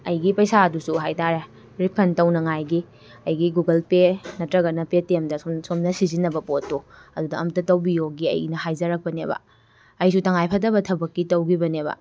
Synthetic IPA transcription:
ɐjɡipɐjsaɐdusuɦajtaɾe | ɾipʰɐntɐwnɐŋajɡi | ɐjɡiɡuɡɐlpenɐtɾɐɡɐnɐpetemdɐsomnɐsizinːɐbɐpotːoɐdudɐɐmtɐtɐwbijoɡiɐ̰jnɐɦajzɐɾɐk̚pɐnebɐ̰ | ɐjsutɐŋajpʰɐt̬ɐbɐtʰɐbɐkːitɐwɡibɐnebɐ̰

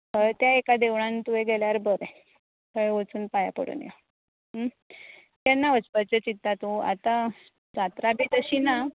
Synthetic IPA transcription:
ət̪jaekad̪eʋɭant̪ueɡeljaɾbəɾe | kəɭʋət͡suːnpaja̰pə̰ɽṵːnja̰ | ə | t̪janːaʋət͡spəɾt͡ɕet͡ɕit̪ːat̪ũa̰t̪a | d͡zat̪ɾabʱiːt̪əɕiːna

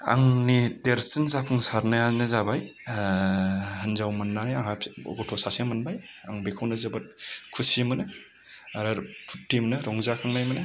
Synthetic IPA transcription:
a̰ŋnideɾsinzakʰɯŋsaɾnajanɯzabaj | ɦɐnzawmɐnːanijaŋhaɔ̰ɡɔtʰɔsasemɐnbaj | aŋbekʰawnɯzɐbɐt̚kʰusimɐnɯ | aɾaɾpʰu̥tːimnɯɾɔŋzakʰaŋnajmɐnɯ

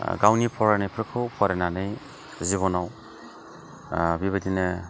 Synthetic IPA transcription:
ɡawnipʰɔɾanɯjpʰɾɯkʰɯwpʰɔɾenanɯj | ziβɔnaw | biβadinɯ

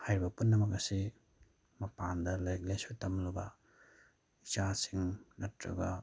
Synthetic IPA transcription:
hajɾibɐpunːɐmɐk̬̚ɐsi | mɐpandɐlajk̚lesutɐmlabɐ | it͡ʃasiŋnɐtɾa̰ɡa

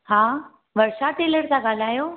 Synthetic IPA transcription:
ɦãː | ʋəɾʃaʈeːləɾt͡saɡaːl̤aːjoː

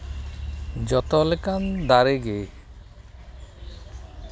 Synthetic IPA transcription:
d͡ʒɔt̪ɔlekand̪aɾeɡe

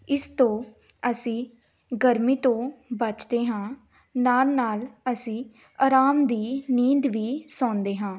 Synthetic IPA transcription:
ɪst̪õː | əsĩː | ɡəɾmiːt̪õːbət͡ʃd̪eːɦãː | naːlnaːləsĩː | aːɾaːmd̪iːniːd̪ʋiːsɔ̃ːnd̪eːɦãː

